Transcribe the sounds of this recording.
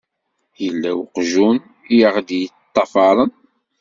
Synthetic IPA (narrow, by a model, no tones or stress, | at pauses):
jəlːæwqʒun | jəʁd̪jət̪ˤːɑfɑɾˤən